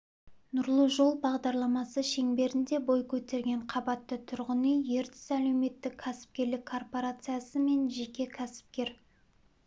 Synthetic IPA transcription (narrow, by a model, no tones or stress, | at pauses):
nʊɾlˠəʒo̞lˠbɑʁd̪ɑɾlˠɑmɑsəʃe̞ŋbe̞ɾɪnd̪e̞bo̞jkʲʰɵt̪e̞ɾɡʲe̞ɴqʰɑbɑt̪ːət̪ʰʊɾʁənəje̞ɾt̪ɪ̥sælɵwme̞t̪ːɪkʲʰːæsɪ̥p̚kʲe̞ɾlɪkʰːo̞rpo̞ɾat̪sɨjasəme̞nʒe̞kʲe̞kʲʰæsɪ̥p̚kʲe̞ɾ